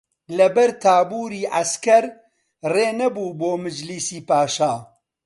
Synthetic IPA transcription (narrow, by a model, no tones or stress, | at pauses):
lɐbɐɾt̪ʰaːbuːɾiːʔɐskɐɾ | reːnɐbuːboːmɨd͡ʒliːsiːpaːʃaː